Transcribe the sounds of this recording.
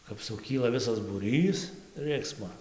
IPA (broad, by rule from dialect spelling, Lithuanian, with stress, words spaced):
kɐp sʊˈkʲiːlˠɐ ˈʋʲɪsɐs buːˈrʲiːs ˈrɨksmoː